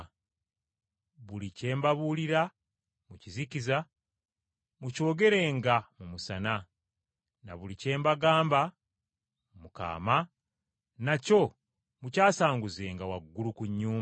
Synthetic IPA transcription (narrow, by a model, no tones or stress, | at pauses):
βulice̞ːmbaβuːliɾa | muciziciza | muco̞ːɡe̞ɾe̞ːŋɡamumusana | naβulice̞ːmbaɡaːmba | mumuka̰ːma | naco̞ | mucaːsaːŋɡuze̞ːŋɡawaɡːulukuɲːuːm